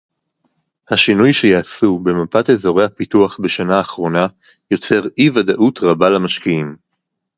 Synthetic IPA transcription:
haʃinujʃe̞jaːsube̞mapate̞zo̞ʁehapituaχbe̞ʃanaːχʁo̞na | jo̞t͡se̞ʁivadaʔutʁabalamaʃkiim

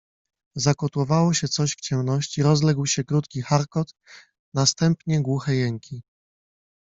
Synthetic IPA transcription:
zakɔt̪wɔvawɔɕɛt̪sɔɕft͡ɕɛmnɔɕt͡ɕiɾɔzlɛɡwɕɛkɾut̪kʲixaɾkɔt̪ | nast̪ɛmpɲɛɡwuxɛjɛŋkʲi

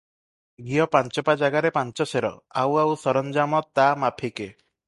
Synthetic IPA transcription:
ɡiɔpant͡ʃɔpad͡ʒaɡaɾepant͡ʃɔseɾɔ̰awawsɔɾɔnd͡ʒamɔt̪amapʰike

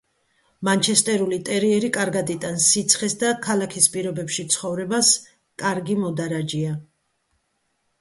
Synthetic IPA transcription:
mant͡ʃʰɛst̪ʼɛɾulit̪ʼɛɾiɛɾikʼaɾɡad̪it̪ʼansit̪sʰχɛsd̪akʰalakʰispʼiɾɔbɛpʃit̪sʰχɔvɾɛbas | kʼaɾɡimɔd̪aɾad͡ʒia

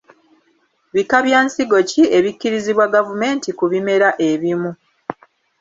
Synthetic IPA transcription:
βikaβjaːnsiɡo̞cie̞βikːiɾiziβwaɡavume̞ːntikuβime̞ɾaʔe̞βimu

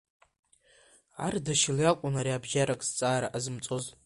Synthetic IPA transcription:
a̰rdaʃɪljakʷʼʊnaɾiabʒaɾakʼst͡sʼaːɾaʔazɨmt͡sʼo̞z

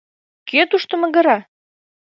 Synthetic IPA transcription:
ket̪uʃt̪ə̆mə̆ɣə̆ɾɑ

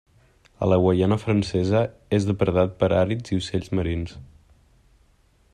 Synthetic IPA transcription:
ə̰ləɣwəjanəfɾənsɛzəezðəpɾəðat̪̚pəɾaɾiziuseʎʲzməɾins

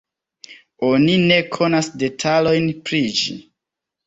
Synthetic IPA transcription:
o̞nine̞kʰo̞nasde̞tʰalo̞jnpɾid͡ʒḭ

